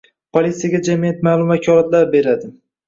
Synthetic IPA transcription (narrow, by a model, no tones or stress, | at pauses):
pʰolʲit̪sijaɡʲad͡ʒamijat̪maːlˠʊmakʰʲɒɾat̪laɾbe̞ɾad̪ɪ